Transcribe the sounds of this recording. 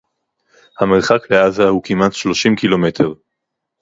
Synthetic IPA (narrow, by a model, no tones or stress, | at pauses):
hame̞ʁχakle̞azahukimatʃlo̞ʃimkilo̞me̞tʰe̞ʁ